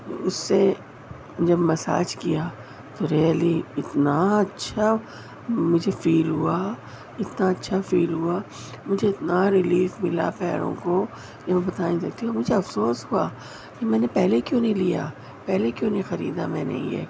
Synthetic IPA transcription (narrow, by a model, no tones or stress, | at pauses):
ʊsːe | d͡ʒɐbmɐsa̰ːd͡ʒkija | t̪oɾeːliɪt̪naɐtːʃʰa | mʊd͡ʒʱefiːlɦua | ɪt̪naɐtːʃʰafiːlɦua | mʊd͡ʒʱeɪt̪naɾɪliːfmɪla̰pɛːɾõ̰ko | jamɛ̃bɐt̪aːĩsɐk̚t̪iumʊd͡ʒʱeɐfsoːsɦua̰ː | kemɛ̃ːnepɛːɦlekjõːnɐɦĩlija̰ | pɛːlekjõːnɐĩxɐɾḭːd̪amɛ̃ːnḛ̃ɦḭ̃ɛ̰ː